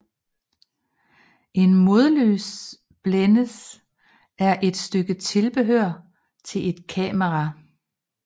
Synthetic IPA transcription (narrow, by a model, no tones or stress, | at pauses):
ʔe̝nmo̝ð̞ˠlø̰ːs | b̥lenəs | æɐʔe̝d̥sd̥øɡ̥ət͡sʰe̝lb̥e̝ɦøɐ̰ | t͡sʰe̝le̝d̥kʰɛ̰ːməʁɑ